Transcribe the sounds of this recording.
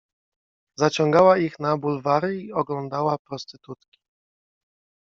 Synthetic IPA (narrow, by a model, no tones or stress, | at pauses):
zat͡ɕɔŋɡawaixnabulvaɾɘiɔɡlɔnd̪awapɾɔst̪ɘt̪ut̪kʲi̥